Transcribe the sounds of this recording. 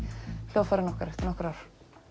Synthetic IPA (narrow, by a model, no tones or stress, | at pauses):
l̥joːwfaɾɪnɔhkaɾɛht̪ɪɾnɔhkɾawɾ̥